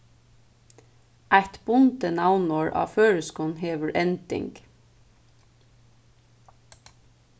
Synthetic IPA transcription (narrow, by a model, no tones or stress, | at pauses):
ʔæɪt̪bʊnt̪ənɑʋnoːɹʔɑ̰ːføːɹəskʊn̩heːʋəɹʔɛnd̪ɪ̰ŋɡ